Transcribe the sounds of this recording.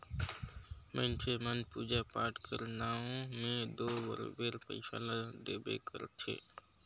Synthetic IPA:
mẽnt͡ʃemənpuːd͡ʒapaːɾʈkʰəɾnaːõmẽd̪oːbə̰ɾ̰beːɾpə̰ɪsa̰ːlad̪eːbḛkəɾt̪ʰḛː

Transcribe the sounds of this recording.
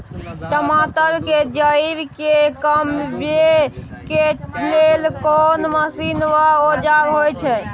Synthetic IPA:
ʈəmat̪əɾked͡ʒəibkekəmbe | kelelkonməsinʋaod͡ʒabɦojt͡ʃʰɛ

